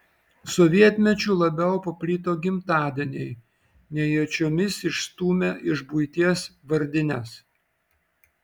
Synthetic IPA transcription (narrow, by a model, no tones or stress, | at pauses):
sɔʋʲiɛt̪ʲmʲɛt͡ʃʲuːlˠɐbʲɛʊpɐpʲlʲiːt̪oːɡʲɪmt̪ɑːd̪ʲɛnʲɛɪ | nʲɛjot͡ʃʲoːmʲɪsɪʃst̪uːmʲɛʔɪʒbuɪt̪ʲiɛsʋɐɾʲd̪ʲɪnʲɛs